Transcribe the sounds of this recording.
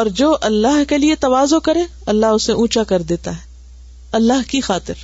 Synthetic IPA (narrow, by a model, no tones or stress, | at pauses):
ɔːɾd͡ʒoːʔɐlːaɦkeliet̪ɐʋaːzokɐɾẽː | ɐlːaɦʊseʔũːt͡ʃakɐɾd̪eːt̪aɦɛ | ɐlːaːɦkixaːt̪ɪɾ